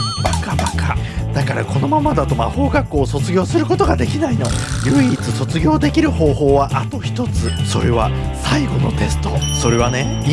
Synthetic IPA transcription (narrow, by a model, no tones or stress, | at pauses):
bakabaka | d̪̥akaɾa̰ko̞no̞mamad̪at̪o̞maho̞ːɡakːo̞ːso̞t͡sɨɡʲo̞ːsɨɾɯ̟ko̞t̪o̞ɡad̪e̞kʲinaino̞jɯ̟it͡sɨso̞t͡sɨɡʲo̞ːd̪e̞kʲiɾɯ̟ho̞ːho̞ːβaʔat̪o̞çi̥t̪o̞t͡sɨso̞̰ɾe̞βa | saiɡo̞no̞̰t̪e̞sɨ̥t̪o̞so̞ɾe̞β̞ane̞ | i